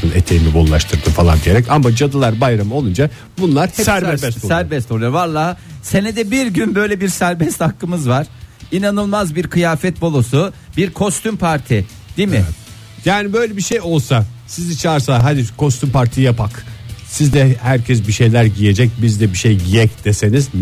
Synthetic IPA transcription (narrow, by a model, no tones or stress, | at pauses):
ɯnet̪ʰejinibolˠlˠaʃt̪ʰɯɾd̪ɯmfalˠa̰nd̪ijeɾɛcamad͡ʒad̪ɯlˠaɾbajɾamɯo̞lˠund͡ʒa | bunlˠaɾhɛsɾɛsbssæɾbɛst̪olˠujoɾvalˠaːse̞nɛd̪ɛbiɾɟynbø̞jlʲɛbiɾsæɾbɛst̪hakːɯmɯzvaɾ̥inanɯlˠmazbiɾkʰɯjaːfɛt̪̚bo̞lˠosubiɾkʰo̞st̪ympʰaɾt̪ʰɪ | d̪̥imɪ | jaːnibø̞jlʲɛbiʃejo̞lˠsasizit͡ʃʰaːɾsaaɦad̪ikʰo̞st̪ʰympʰaɾt̪ʰijapʰaksizd̪ɛhæɾcʰɛs̬biʃe̞jlʲæɾɟije̞d͡ʒɛc̚bizd̪ɛbiʃejɟijɛcd̪̥ese̞niz